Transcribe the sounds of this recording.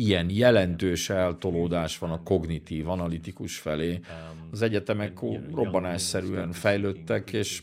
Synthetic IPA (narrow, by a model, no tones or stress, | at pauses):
ijɛnjɛlɛnt̪øːʃɛɛlt̪o̞loːd̪aːʃʋɒnɒko̞ɡnit̪iːvɒnɒlit̪ikuʃfɛleːɒzɛɟɛt̪ɛmɛkːoːro̞bːɒnɛsɛɾy̰ɛnfɛjløːt̪ːɛkeːʃ